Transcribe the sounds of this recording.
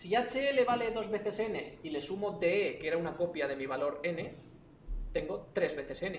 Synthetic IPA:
siat͡ʃeele̞βale̞ðo̞zβe̞θe̞se̞ne̞ile̞sumo̞d̪e̞eke̞ɾaunako̞pjað̞e̞miβ̞alo̞ɾe̞ne̞ | t̪e̞ŋɡo̞t̪ɾe̞zβe̞θe̞se̞ne

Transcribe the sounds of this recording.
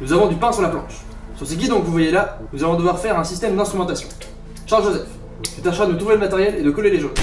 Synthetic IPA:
nuzavɔ̃d̪ypɛ̃syʁlaplɑ̰̃ʃ | syʁsəɡʲid̪ɔ̃kvuvwajela | nuzavɔ̃d̪əvwaʁfɛʁɛ̃sist̪ɛmd̪ɛ̃st̪χymɑ̃t̪asjɔ̃ | ʃaʁlʒozɛf | kʲit̪aʃʁad̪ənut̪χuveləmat̪ɛʁjɛled̪əkɔleleʒon

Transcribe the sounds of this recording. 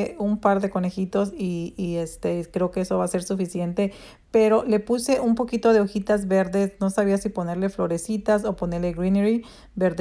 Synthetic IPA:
umpaɾðe̞ko̞ne̞xit̪o̞siːe̞st̪e̞kɾe̞okeeso̞βase̞ɾsufisje̞nt̪e̞ | pe̞ɾo̞le̞puse̞ʔumpo̞kit̪o̞ðe̞oxit̪azβe̞ɾðe̞sno̞saβiasipo̞ne̞ɾle̞flo̞ɾe̞sit̪aso̞po̞ne̞ɾle̞ɣɾineɾi | be̞ɾð

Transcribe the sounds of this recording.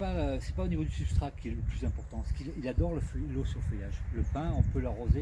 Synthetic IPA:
pasɛ̥paonivod̪ysybst̪χakʲiɛləplyzɛ̃pɔʁt̪ɑ̃ɛskililad̪ɔʁləfəlosyʁləfəjaʒləpɛ̃ɔ̃pøləʁːoze

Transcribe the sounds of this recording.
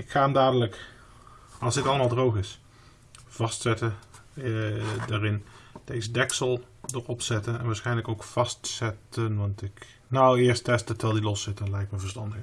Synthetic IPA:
ɪkχaːəmdaːdələk | ɑlˠzdɪtɑlˠəmaːlˠdrowχɪs | v̥ɑstsɛtə | daːrɪnd̥ejzədɛksəlˠ | dəɹɔpsɛtənɛ̰nʋaːɹsχɛjnləkowkfɑstsɛtənʋɑntɪk | nowɪːɹstɛstətʰɛlˠdilɔsɪtdɑnlɛjk̚məvəɹstɑndəɣ

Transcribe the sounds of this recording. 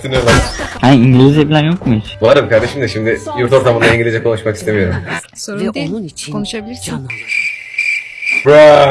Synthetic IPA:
t̪inelˠahaiɲɟilʲizebilʲaɾjokmisvaɾɯmkʰaɾd̪e̞ʃimd̪ɛʃimd̪ɪjuɾt̪o̞ɾt̪ʰamɯnd̪aniŋɟilʲid͡ʒɛkʰo̞nuʃmaki̥st̪e̞mijo̞ɾum | konuʃabilʲiɾi | bɾa

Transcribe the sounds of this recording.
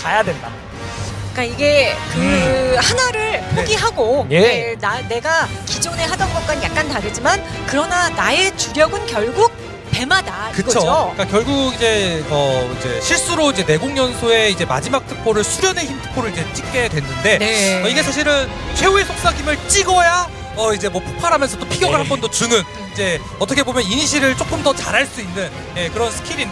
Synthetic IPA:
t͡ɕajadwe̞nda | k͈aiɡe̞kɯhanaɾɯɭpʰoɡiɦaɡojenane̞ɡakid͡ʑone̞ɦadʌnɡʌk̚k͈anjak̚k͈antaɾɯd͡ʑiman | kɯɾʌnanae̞t͡ɕuɾjʌɡɯnkjʌɭɡuk̚ | te̞madakɯɡʌook͈akjʌɭɡuɡid͡ʑe̞ʌid͡ʑe̞̰ɕʰiɭs͈ɯɾoid͡ʑe̞ne̞ɡoŋɲʌnsʰoe̞id͡ʑe̞ma̰d͡ʑimak̚tʰɯ̥pʰoɾɯɭsʰuɾjʌne̞çimtʰɯ̥pʰoɾɯɭid͡ʑe̞t͡ɕ͈ik̚k͈e̞dwe̞nːɯnde̞ʌiɡe̞sʰaɕ̬ʰiɾɯn | t͡ɕʰwe̞oesʰok̚s͈aɡimɯɭt͡ɕ͈iɡʌja | ʌid͡ʑe̞mwʌpʰu̥k̚pʰaɾɦamjʌnsʰʌt͈opʰiɡjʌɡɯɭɦhambʌndot͡ɕuŋɯn | id͡ʑe̞ | ʌt͈ʰʌkʰebomjʌninɕ̬ʰiɾɯɭt͡ɕ͈ok͈ɯmdʌt͡ɕaɾɦaɭs͈uinːɯn | je̞kɯɾʌnsʰɯ̥kʰiɾin

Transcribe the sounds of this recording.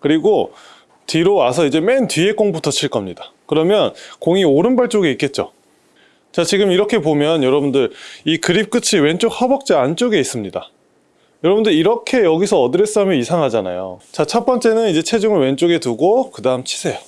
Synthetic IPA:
kɯɾiɡo | tiɾoasʰʌid͡ʑe̞me̞ntɥie̞k͈oŋbutʰʌt͡ɕʰiɭk͈ʌmɲidakɯɾʌmjʌnkoŋioɾɯnbaɭt͡ɕ͈oɡeik͈e̞t̚t͡ɕ͈o̰ | t͡ɕat͡ɕiɡɯmiɾʌkʰe̞pomjʌnjʌɾʌbundɯɾikɯɾip̚k͈ɯt͡ɕʰiwe̞nt͡ɕ͈okhʌbʌk̚t͡ɕ͈iant͡ɕ͈oɡe̞is͈ɯmɲida | jʌɾʌbundɯɾiɾʌkʰe̞jʌɡisʰʌːdɯɾes͈ʌmjiisʰaŋɦad͡ʑana̰jo̰t͡ɕat͡ɕʰʌp͈ʌnt͡ɕ͈e̞nɯnid͡ʑe̞t͡ɕʰe̞d͡ʑɯŋɯɭwe̞nt͡ɕ͈oɡe̞tuɡokɯdaɯmt͡ɕʰi̥sʰe̞jʌ

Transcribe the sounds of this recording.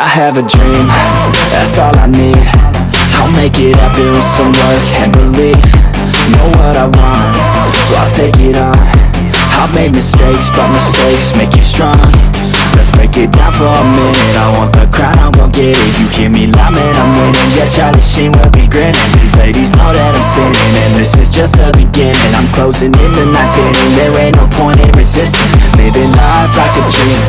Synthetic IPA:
aɪɨvɨdɹĩm | ðæ̰tsɔlˠa̰ɪnid̥̚ | haɪlˠmeɪkɪɾaɪbɪ̃ | sʌ̃mwʌ | kʰɨ̃nbəliv̥ | noʊwʌɾaɪwɑ̃nt | soʊa̰ɪlˠtʰeɪkɪɾ | n̩ | hameɪd̚mɨsteɪksb̥ʌt̚mɨsteɪksmeɪkjɨstɹ̥ɔ̃ŋ | lɨtsb̥ɹeɪkɪt̚d̥ã̰ʊ̃nfəəmɪ̃nɨnaɪwɑ̃nðəkʰɹ̥ãʊ̃nãɪwõnɡ̥ɛɾɪfjɨhiɹmilamɨ̃nãɪ̃mweɪɾɪ̃ŋd͡ʒɛt͡ʃʰaʊɾɨʃĩnwɛlˠbiɡɹɪ̃nɨ̃nðizleɪɾiznə̰ɾɨɾə̃msɪ̃nɪ̃ŋðɨ̃nðɪsɨzd͡ʒʌstɨbɨɡɪ̃nɨ̃nãɪ̃mkʰl̥oʊzɪ̃ŋɪ̃nðɨnaɪk̚ʰeɾɪ̃ŋðəɹẽɪ̃nəpʰɔ̃ɪ̃nɪ̃nɹɨzɪstɨ̃nmeɪbɨ̃nə | daɪk̚ɨt͡ʃʰĩn

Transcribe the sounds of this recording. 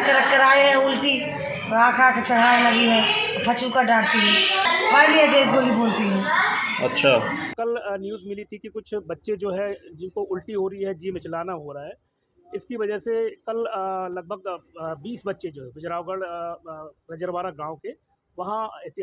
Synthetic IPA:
kɐɾəkɐɾaːeɦɛ̃ʊlʈi | ɾaːkʰakt͡ʃɐɽ̤aːlɐɡiɦɛ̃ː | pʰɐt͡ʃũkaɖãːɽt̪iɦɛ̃ːbaːliɐd͡ʒeikoːlibʱoːlt̪iɦɛ̃ːɐ̰tːʃʰaːkɐlnjuːzmɪlit̪ikikʊt͡ʃʰbɐtːʃed͡ʒoːɦɛd͡ʒɪnkoʊlʈiɦoːɾɐiɦɛd͡ʒimɪt͡ʃlaːnaɦoɾaɦɛː | ɪskiʋɐd͡ʒəɦsekɐllɐɡ̚bʱəɡbiːsbɐtːʃed͡ʒoːɦɛ̃bɪd͡ʒɾaːoɡəɽ | ɾɐd͡ʒəɾʋaːɾaɡãːõke | ʋɐɦãɪt̪ɪ

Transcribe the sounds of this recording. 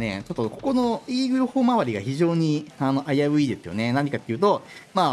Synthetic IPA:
ne̞̰t͡ɕo̞t̪ːoko̞ko̞no̞iːɡɯ̟ɾoho̞ːmaβaɾʲiɡa̰çiʑo̞ːɲ̟iano̞ʔaiaβɯ̟iːd̪e̞sɨjo̞̰ne̞nãɲ̟ikat̪ːe̞iɯ̟t̪o̞maː

